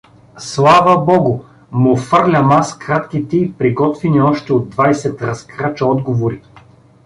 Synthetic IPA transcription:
slˠavəbɔɡʊ | mofɤɾlʲɐmaskɾat̪k̟it̪ɛipɾiɡɔt̪viniɔʃt̪ɛod̪ːvajsɛt̪ɾɐskɾat͡ʃɐɔd̪ɡovoɾi

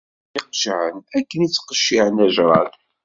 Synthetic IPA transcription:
iqʒʕənækːənit͡sːqəʃːiʕənæʒɾˤɑd̪

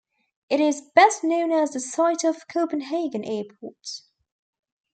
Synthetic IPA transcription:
ɪɾɪzb̥ɛsnõʊ̃nəzðəsaɪtəv̥kʰəʊpə̃nɦeɪɡə̃nʔɛːpʰɔ̰ˑt

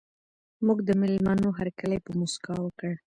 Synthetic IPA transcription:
muɡd̪əmɪlmanoɦaɾkəlajpəmuskɑwəkəɽ

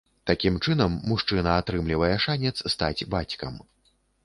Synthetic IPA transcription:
t̪akʲimt͡ʂɨnɐmːuʂt͡ʂɨnɐat̪ɾɨmlʲivɐjɛʂanʲɛt̪sst̪ad͡zʲbat͡sʲkɐm

